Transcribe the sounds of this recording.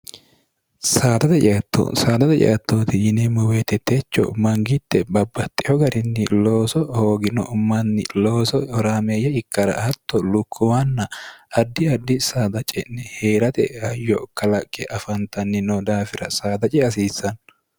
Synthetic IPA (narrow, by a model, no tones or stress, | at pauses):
saːd̪ɐt̪ɛt͡ʃɛɐt̪ʰːo̰saːd̪ɐt̪ɛt͡ʃʼɛ̰ʔɐt̪ːoːt̪ɪjɪnɛmɔweːt̪ːɛt̪ʰːeːt͡ʃːɔ̰mɐŋɡɪt̪ːɛbɐbːɐt̪ʼːɪhɔɡɐɾɪnːɪloːsɔhoːɡɪnɔ̰mɐnːɪloːsɔhɔɾaːmejɛɪkːɐɾɐ̰hɐt̪ːɔlʊkʰːʊwanːɐɐd̪ːɪɐd̪ːɪsaːd̪ɐt͡ʃʼɛnːɛheːɾɐt̪ɛ̰hɐjːɔkɐlɐkʼːɛʔɐfɐnt̪ɐnːɪnɔd̪aːfɪɾɐsaːd̪ɐt͡ʃʼɛɐs̬iːsːɐn